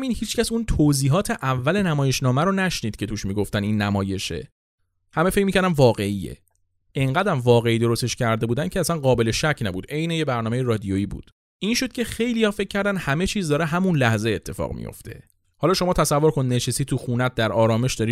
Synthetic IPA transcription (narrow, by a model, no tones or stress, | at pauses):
minhiːt͡ʃcʰæsunt̪ʰoziːɦɒːt̪ʰeʔævːæle̞næmɒːje̞ʃnɒːmæɾonæʃniːd̪̥̚cʰe̞t̪ʰuːʃmiːɡo̞ft̪æninːæmɒːje̞ʃe̞̰ | hæme̞fe̞c̚micʰæɾd̪æmvɒːɣe̞iḛ | eŋɢæd̪æmvɒːɣe̞iːd̪o̞ɾost̪e̞ʃcʰæɾd̪e̞buːd̪æncʰeæsænɢɒːbe̞le̞ʃæcʰnæbṵd̪ʔe̞jne̞jebæɾnɒːmejeɾɒːd̪ijoiːbṵːd̪̥ | ʔinʃod̪̚cʰe̞xe̞jlijɒːfe̞c̚ʰːæɾd̪ænhæme̞t͡ʃʰiːzd̪ɒːɾeɦæmunlæhze̞et̪ʰːe̞fɒ̰ːɣmḭjo̰ft̪ʰe̞̰ | hɒːlɒːʃo̞mɒːt̪ʰæsævːoɾkʰo̞nid̪neʃesiːt̪ʰuxunæt̪̚d̪æɾɒːɾɒːme̞ʃd̪ɒɾi